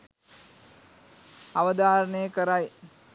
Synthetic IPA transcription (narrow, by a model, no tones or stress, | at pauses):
ɐʋəd̪aːɾəɳəjəkəɾaj